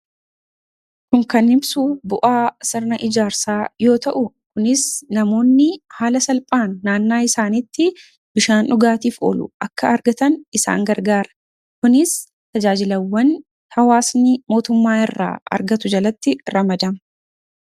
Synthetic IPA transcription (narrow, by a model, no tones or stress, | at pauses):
kʊŋkɐnɪbsuːbʊʔaːsɪɾnɐʔɪd͡ʒaːɾsaːjo̞ːt̪ɐʔʊkʊnɪsnɐmo̞ːnːɪhaːlɐsɐlpʼaːnːaːnːaːɪsaːnɪt̪ːɪ | b̥ɪʃaːnᶑʊɡaːt̪iːfo̰ːlʊ̰ʔɐkːɐɐɾɡɐt̪ɐnɪsa̰ːŋɡɐɾɡaːɾɐ̥ | kʊnɪs | t̪ɐd͡ʒaːd͡ʒɪlɐwːɐn | hɐwaːsnɪmo̞ːt̪ʊmːaːɪrːa̰ːʔɐ̰ɾɡɐt̪ʊd͡ʒɐlɐt̪ːɪɾɐmɐd̪ɐm